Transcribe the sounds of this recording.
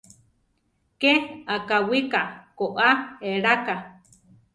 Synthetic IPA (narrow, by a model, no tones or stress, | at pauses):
keakawikakoʔaeɾaka